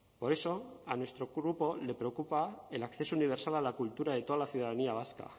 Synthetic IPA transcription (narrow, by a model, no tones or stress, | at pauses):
po̞ɾe̞so̞anwe̞st̪ɾo̞ɣɾupo̞le̞pɾeokupaelakθe̞souniβ̞eɾsalalakult̪uɾaðe̞t̪o̞ðalaθjuðaðaniaβ̞aska̰